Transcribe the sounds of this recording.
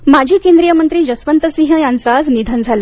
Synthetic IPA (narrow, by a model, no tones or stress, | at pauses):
mad͡ʑʱiːkẽnd̪ɾijəmənt̪ɾiːd͡ʑəsʋənt̪əsĩɦəjãnsasnid̪ʱənd͡zʱale